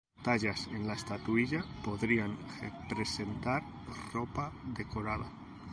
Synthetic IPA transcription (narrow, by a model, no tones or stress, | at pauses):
t̪aʎasenlaest̪at̪uiʎapoðɾiaŋrepɾese̞nt̪aɾ | ropaðe̞koɾaða̰